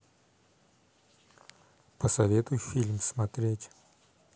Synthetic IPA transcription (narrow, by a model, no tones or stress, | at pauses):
pəsɐvʲet̪ʊjʊfʲilʲmsmɐt̪ɾʲetʲ